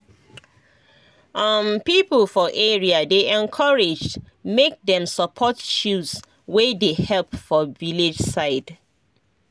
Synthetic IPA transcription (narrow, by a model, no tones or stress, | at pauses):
ʔʌmpipəl̩fɔʔeɹiadeʔɛ̃nkʰʌɹed͡ʒd | mek̚dɛ̃msəpʰɔtʃus | wedehɛlˠpfɔvilid͡ʒsaɪd̥